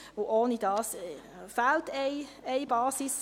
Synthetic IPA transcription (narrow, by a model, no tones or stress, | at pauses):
voʔoːnidɑːs | faltɛɪ | ɛɪbɑːsis